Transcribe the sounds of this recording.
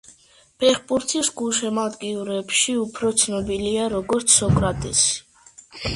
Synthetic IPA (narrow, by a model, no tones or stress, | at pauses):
pʰɛχpʼuɾt̪ʰisɡuʃɛmad̪ɡiuɾɛpʃiupʰɾɔt̪sʰnɔbiliaɾɔɡɔɾt̪sʰsɔkʼɾat̪ʼɛs